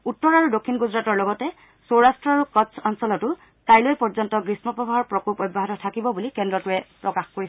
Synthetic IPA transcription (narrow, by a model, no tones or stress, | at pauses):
utːɔɹaɹudokʰːinɡuzɹatɔɹlɔɡɔtɛ | soɹastɹɔaɹukɔsʰɔnsɔlɔtʊ | tajlojpɔɹzɔntɔɡɹismɔpɔbʱaɦɔɹpɹɔkopɔjbːɔɦatɔtʰakibɔbulikɛndɹɔtuɛpɹɔkaxkoɹi